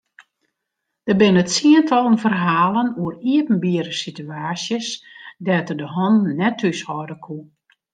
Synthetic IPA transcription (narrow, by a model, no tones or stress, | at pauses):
d̥əbɪnətsiəntʰɔlˠənvərɦaːlˠənuəriəpn̩biəɾəsityaːsjəsdɛtərdəɦɔnːɛtʰːysɔdəkʰu